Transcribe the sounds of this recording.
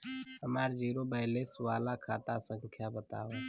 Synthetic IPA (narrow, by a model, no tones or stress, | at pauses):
əmaːɾd͡ʒiːɾobəɦlesʋaːlakʰaːt̪asə̃ŋkʰjabət̪a̰ːo